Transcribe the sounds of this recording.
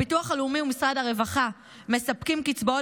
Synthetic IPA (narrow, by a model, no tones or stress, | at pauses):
ituaχalumiumisʁadhaʁe̞vaχa | me̞sapkimkit͡sboo